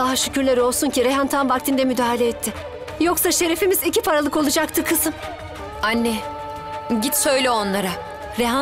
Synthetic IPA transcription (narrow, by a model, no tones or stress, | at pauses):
aɦaʃycʰyɾlʲeɾio̞lˠsuncʰiɾeɦant̪ʰanvakt̪ʰind̪ɛmyd̪aːɦalʲeɛt̪ʰːɪ | jo̞ksaʃe̞ɾefimizicʰipʰaɾalˠɯko̞lˠud͡ʒak̚t̪ʰɯkʰɯzɯm | anːɛ | ɟit̪sø̞jlʲɛo̞nlˠaɾa | ɾeɦa